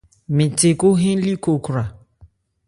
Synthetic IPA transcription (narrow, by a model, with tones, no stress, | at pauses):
mɪ̃˨te˨kʊ˦ɦĩ˦li˦ko˨kɾa˨